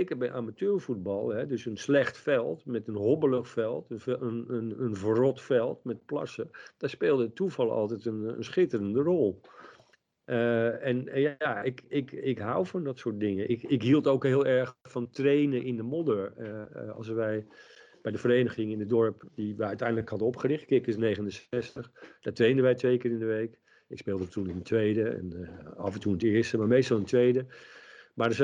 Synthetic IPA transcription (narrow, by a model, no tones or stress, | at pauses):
ejkəɹbɛjʔamatøːɹfut̚bɑlˠɦɛdøsənslɛxtfɛlˠtmɛtənɦɔbələxfɛlˠtənənənənvrɔtfɛlˠtmɛt̚plɑ̰səd̥aːɹspeːlˠdəətuvɑlˠɑ̰lˠtɛjtənə̰nsχɪtərəndərɔlˠ | ɛnjaɪkɪkɪkɦawfɔndɔtsoːt̚dɪŋəɪkɪkɦilˠtowkɦɪːlˠɛɹxfɑntrejnənɪndəmɔdəɹəɑ̰lˠsʋɛj | b̥ɛjdəfərejnəχɪŋɪnədɔɹpdiʋəœɥtɛjndələkhɑdəɔpχərɪχtkɪkɪsnejχənənsɛstəχd̥aːtrejndəʋɛjtʋejkɪːɾɪndəʋejk | ɪkspeːlˠdəətunɪndətʋejdəɛ̰nɑvəntuntɪːəɹstəmaːɹmejstɑlˠɪnətʋejdəmaɹdəs